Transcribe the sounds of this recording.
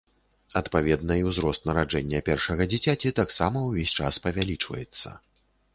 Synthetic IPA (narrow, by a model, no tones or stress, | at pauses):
ɐt̪pavʲɛd̪nɐiwzɾɔst̪nɐɾad͡ʐɛnʲːɐpʲɛrʂɐɣɐd͡zʲit͡sʲat͡sʲit̪aksamɐwvʲesʲt͡ʂaspɐvʲalʲit͡ʂvɐ̰jɛt̪sːɐ̰